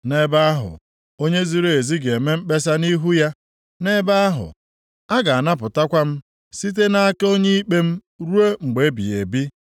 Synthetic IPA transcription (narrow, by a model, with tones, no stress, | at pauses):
ne˦ba˦a˦ɦʊ̰˨ | o˦ɲe˦zi˦ɾe˨e˨zi˦ɡe˨me˦m̩˦k͡pe˦s̬a˦ni˦ɦu˦ja˦ | ne˦ba˦a˦ɦʊ̰˨ | a˦ɡa˨a˨na˦p̬ʊ˨ta˦kʷa˦m̩˦ | si˦t̬e˦na˦a˦ke˦o˦ɲe˦i˦k͡pe˦m̩˦ | ɾu˦e˦ŋ͡m̩˨ɡ͡be˨˦bḭ˨e˨bi˦